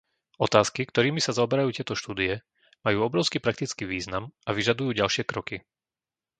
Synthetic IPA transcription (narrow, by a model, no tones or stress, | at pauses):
ɔt̪aːskikt̪ɔɾiːmisazaɔbɛɾajuːt̪ɪɛt̪ɔʃt̪uːd̪iɛ | majuːɔbɾɔʊskipɾak̚t̪it͡skiːʋiːznamaʋiʒad̪ujuːɟalʃɪɛkɾɔki